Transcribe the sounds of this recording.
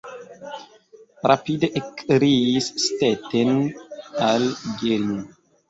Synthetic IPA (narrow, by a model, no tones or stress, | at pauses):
ɾapideʔekɾiisːtetenalɡelnu